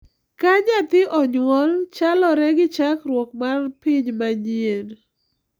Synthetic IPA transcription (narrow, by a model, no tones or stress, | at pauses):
kaɲat̪ɪʔɔɲŋɔlt͡ʃalɔɾɛɡɪt͡ʃakɾwɔk̚marpiɲmaɲien